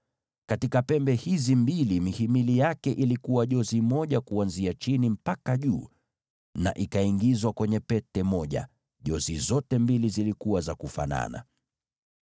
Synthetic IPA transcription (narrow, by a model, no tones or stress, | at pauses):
katikapɛmbɛhizimbilimihimilijakɛʔilikuwaʄɔzimɔʄakuanziat͡ʃinim̩pakaʄuː | na̰ʔikaiŋɡizwakwɛɲɛpɛtɛmɔʄa̰ | ʄɔzizɔtɛmbilizilikuwazakufa̰na̰na̰